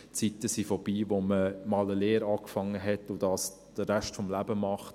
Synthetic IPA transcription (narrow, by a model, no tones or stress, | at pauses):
t͡sitəsifɔb̥iːʋoməmɑːləleːɾɑːkfɑŋːəɦɛtʊd̥ɑːs | d̥əːæʃtfɔmlæb̥əmɑχt